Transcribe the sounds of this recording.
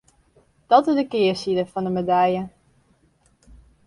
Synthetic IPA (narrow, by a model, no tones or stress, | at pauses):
d̥ɑtɪzdəkɪːəsidəfɑndəmedɛjə